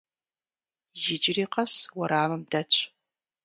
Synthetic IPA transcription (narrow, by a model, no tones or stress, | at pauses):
jɪd͡ʒɪriːqɐswɐɾaːmɨmdɐt͡ʃʼ